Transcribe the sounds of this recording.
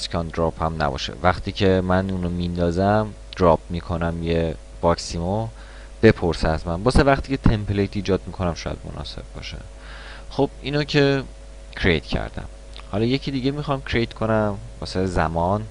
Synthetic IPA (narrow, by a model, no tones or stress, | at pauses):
skʰɒnd̪ɾɒphæmnæ̰bɒ̰ʃḛvæχt̪ʰiːcʰe̞mænuːnomind̪ɒːzæm | d̪̥ɾɒp̚miːkʰo̞næmje | b̥ɒksimo | b̥e̞pʰoɾseæzmænbɒːsevæχt̪iːcʰe̞t̪ʰe̞mpʰlejt̪iːd͡ʒɒːd̪̚mikʰo̞næmʃɒːjæ̰d̪̚mo̰nʔɒ̰se̞̰bbɒ̰ːʃe̞̰ | χob̥iːnocʰe̞ | cʰɾḛjt̪ʰcʰæ̰ɾd̪æ̰m | hɒlɒje̞cʰid̪iːɟemixɒmcʰɾejt̪kʰo̞næmbɒ̰ːsezæ̰mɒːn